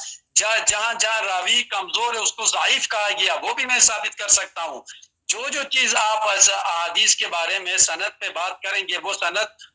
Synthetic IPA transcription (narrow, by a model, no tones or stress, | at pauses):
d͡ʒd͡ʒɐɦãd͡ʒɐɦãɾaːʋikɐmzoːɾɦɛʊskozaiːfkɐɾaɡɪjaʋoːbʱimɛ̃ːsaːbɪt̪kɐɾsɐk̚t̪aɦũː | d͡ʒoːd͡ʒoːt͡ʃiːzaːpːsʔɐɦaːd̪iːskebaːɾemẽsɐnəd̪̚pebaːt̪̚kɐɾẽːɡeʋosɐnəd̪̚